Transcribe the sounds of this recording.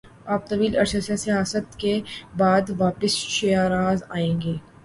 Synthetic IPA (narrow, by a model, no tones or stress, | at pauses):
aːp̚t̪ɐʋiːlɐɾsasasijaːsət̪kebaːd̪ʋaːpəsʃeaːɾaːzaːẽːŋɡeː